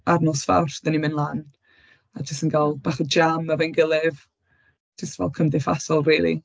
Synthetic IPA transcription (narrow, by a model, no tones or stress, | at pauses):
arnɔsfa̰wrd̥ənimɪnlˠan | ad͡ʒəstənɡalˠb̥aːχəd͡ʒamavɛnɡəlˠɪv | d͡ʒ̥əstvɛ̰lˠkʰəmðɪfasɔlˠriːlˠḭ